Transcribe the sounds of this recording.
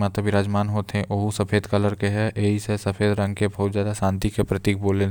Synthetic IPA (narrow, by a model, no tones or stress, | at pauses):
maːt̪əbiɾaːd͡ʒmaːnɦoːt̪eɦɛ̃ʔoɦusɐpʰeːd̪kələɾkeɦɛʔeːisesɐfʰeːd̪ɾɐ̃ŋɡ̚kebʱɐɦut̪zjaːd̪aʃãːnt̪ikepɾɐt̪iːk̚boːle